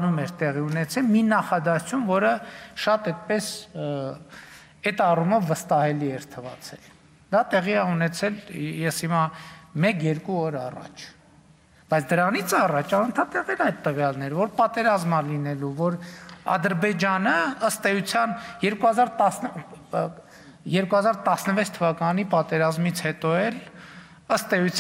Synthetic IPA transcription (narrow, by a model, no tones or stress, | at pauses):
numɛɾt̪ɛʁiunɛt͡sʰɛlminɑχɑd̪ɑt͡sʰumvɔɾəʃɑt̪ɛt̪̚pɛs | ɛt̪ɑruməvəst̪ɑhɛliɛɾt̪ʰəvɑ̰t͡sʰɛl | d̪ɑt̪ɛʁiɛunɛt͡sʰɛljɛshimɑmɛkjɛɾkuɔɾɑrɑ̰t͡ʃʰ | b̥ɑjt͡sʰd̪əɾɑnit͡sʰɑrɑt͡ʃʰɑnənt̪ʰɑt̪ɛʁɛlɑjd̪t̪əvjɑlnɛɾvɔɾpɑt̪ɛɾɑzməlinɛluvɔɾɑ̰d̪əɾbɛd͡ʒɑnəəst̪ɛjut͡sʰjɑnjɛɾkuhɑzɑɾt̪ɑsnə | jɛɾkuhɑzɑɾt̪ɑsnəvɛt͡sʰt̪ʰəvɑkɑnipɑt̪ɛɾɑzmit͡sʰhɛt̪ɔɛl | əst̪ɛjut͡sʰ